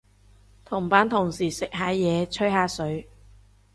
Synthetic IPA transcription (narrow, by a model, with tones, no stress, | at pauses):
t̪ʰʊ˨˩ŋpaː˨˥nt̪ʰʊ˨˩ŋsiː˨˩sɪ˨k̚haː˨˥jɛː˨˧t͡sʰɵ˥jhaː˨˧sɵ˨˥ɥ